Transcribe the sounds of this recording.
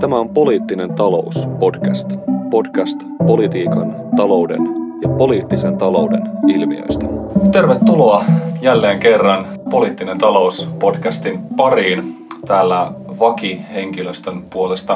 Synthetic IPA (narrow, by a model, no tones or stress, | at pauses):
t̪æmæo̞mpo̞liːt̪ːine̞nt̪ɑlo̞uspo̞dkæst̪po̞dkæst̪ | po̞lit̪iːkɑn | t̪ɑlo̞wde̞̰njɑpo̞liːt̪ːisent̪ɑlo̞ude̞̰nilmḭø̰jst̪æ̥t̪e̞rʋet̪ːulo̞ɑjælːeːŋke̞rːɑnpo̞liːt̪ːine̞nt̪ɑlo̞uspo̞dkæst̪impɑɾiːnt̪æːlːæʋɑkihe̞ŋkiløst̪ønpuole̞st̪ɑ